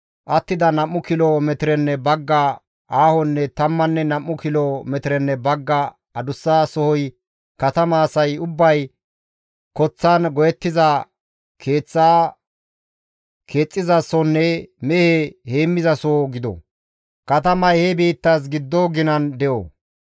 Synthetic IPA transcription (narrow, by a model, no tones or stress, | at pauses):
ʔɐt̪ːɪd̪ɐnɐmːʊkɪlɔmɛt̪ɪɾɛnːɛbɐɡːɐ | ʔaːhɔnːɛt̪ɐmːɐnːɛnɐmːʊkɪlɔmɛt̪ɪɾɛnːɛbɐɡːɐ | ɐd̪ʊsːaːsɔhɔj | kɐt̪ɐmaːsɐjʊbːɐj | kɔt͡sːaːnɡɔjɛt̪ːɪzɐ | kʰe̞ːt͡sːaː | kʰe̞ːt͡sʼːɪzɐsɔnːɛmɛhehe̞ːmːɪzɐsoːɡɪd̪ɔ̰ | kɐt̪ɐmɐjhɛbiːt̪ːas̬ɡɪd̪ːoɡɪnɐnd̪ɛʔo̰